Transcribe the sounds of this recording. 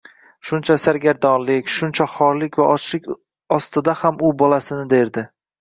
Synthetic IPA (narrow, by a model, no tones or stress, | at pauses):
ʃʊnt͡ʃʰasaɾɡʲaɾd̪ɒnlɪkʲʃʊnt͡ʃʰaχɒɾlɪkʲvat͡ʃɪkʲ | ɒst̪ɪd̪ahamʊbɒlasɪnɪd̪e̞ɾd̪ɪ